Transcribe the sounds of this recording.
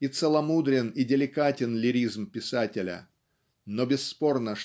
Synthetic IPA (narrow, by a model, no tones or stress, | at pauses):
it̪səlˠɐmud̪ɾʲɪnidʲɪlʲɪkatʲɪnlʲɪɾʲizmpʲɪsatʲɪlʲə̰ | nobʲɪsːpo̞rnəʂ